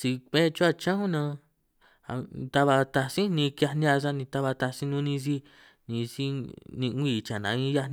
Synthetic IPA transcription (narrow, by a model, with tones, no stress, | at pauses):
si˧kʷẽ˦˧t͡ʃu˦a˧˨t͡ʃã˦hũ˦nã˧ | a̰˧t̪a˧βa˧t̪a˧sĩ˦nĩ˧kja˧nĩ˧a˧s̬a˦nĩ˧t̪a˧βa˧t̪a˧si˦nũ˦nĩ˧si˦ | nĩ˧si˦nĩ˧˦iː˦˧˨t͡ʃa˨nã̰˨˧˦ĩ˦ja˧nĩ˧˦